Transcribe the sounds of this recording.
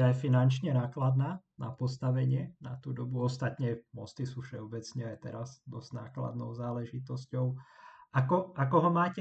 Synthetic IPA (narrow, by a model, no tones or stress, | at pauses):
ajfinant͡ʃɲɛnaːklad̪naː | nʔapɔst̪aʋɛɲɪɛna̰t̪ud̪ɔbuɔst̪at̪ɲɛmɔst̪isuːfʃɛɔbɛt͡sɲɛajt̪ɛɾazd̪ɔzɟnaːkla̰d̪nɔ̰ʊzaːlɛʒit̪ɔscɔʊʔakɔʔakɔɦɔmaːcɛ